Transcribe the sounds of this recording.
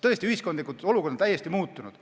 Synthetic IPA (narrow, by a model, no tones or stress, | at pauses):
t̪ɤ̞est̪iyhisko̞nd̪likut̪o̞lukord̪ɑ̥t̪æjest̪imuːt̪ːˑunud̪̥